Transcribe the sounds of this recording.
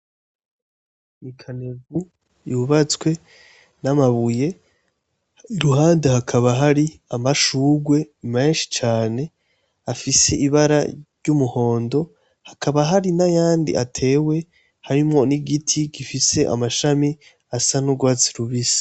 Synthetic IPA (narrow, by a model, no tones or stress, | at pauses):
nikʰane̞vu | juβat͡swe̞ | namaβuje̞ | iɾuhaːndehakʰaβaɦaɾiamaʃuːɡwe̞me̞ːnʃi̥t͡ʃaːne̞ | afise̞ʔiβaɾa̰ɾɟumuho̞ːndo̞ | hḁkʰaβaɦaɾinajaːndḭʔa̰tʰe̞ːwe̞ | haɾimŋo̞niɡitʰiɡifise̞ʔa̰maʃami | asan̥uɡwaːt͡si̥ɾuβisi̥